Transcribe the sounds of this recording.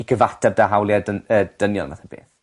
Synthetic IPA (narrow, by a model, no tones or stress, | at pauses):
iɡʰəvatʰɛb̚daɦawlˠiadəəd̥ənjɔ̰lˠnvaθab̥ḛːθ